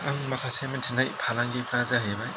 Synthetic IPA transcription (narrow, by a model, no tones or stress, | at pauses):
aŋmakʰasementʰinajpʰalaŋɡipɾazaɦebaj